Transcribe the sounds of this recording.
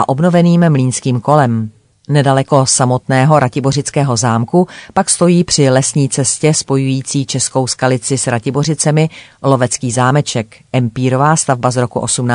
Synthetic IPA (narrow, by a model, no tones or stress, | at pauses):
ʔaʔo̞bno̞vɛniːmmliːnskiːmko̞lɛm | nɛdalɛko̞samo̞t̪nɛːɦo̞ɾacɪbo̞r̝ɪt͡skɛːɦo̞zaːmkupakst̪o̞jiːpr̝̥ɪlɛsɲiːt͡sɛscɛspo̞jujiːt͡siːt͡ʃɛsko̞wskalɪt͡sɪsɾacɪbo̞r̝ɪt͡sɛmɪlo̞vɛt͡skiːzaːmɛt͡ʃɛkʔɛmpiːɾo̞vaːst̪avbazɾo̞kuʔo̞sumna